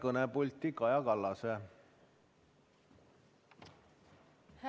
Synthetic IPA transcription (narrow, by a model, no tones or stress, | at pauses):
kɤnepulʲt̪ːikɑjɑkɑlːɑse | h